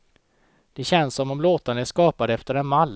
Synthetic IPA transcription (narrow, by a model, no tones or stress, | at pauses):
d̪̥ɛɕɛnsːɔmɔmloːt̪anæʂkɑːpad̪ɛft̪əɾɛnmalː